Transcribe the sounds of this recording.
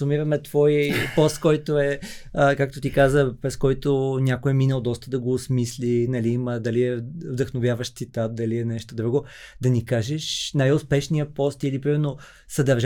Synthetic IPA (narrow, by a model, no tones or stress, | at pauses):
umiɾɐmɛt̪v̥ɔjpɔst̪kɔjt̪oɛəkakt̪ot̪ikazəpɾɛskɔjt̪onʲakoɛminəlˠd̪ɔst̪əd̪ɐɡoːsmislinɐliiməd̪ɐliɛvd̪ɐxnovʲjavəʃt̪sit̪at̪̚d̪ɐliɛnɛʃt̪od̪ɾuɡo | d̪ɐnikaʒɛʃnajʊspɛʃnijəpɔst̪ilipɾimɛɾno | sɐd̪ɐɾʒ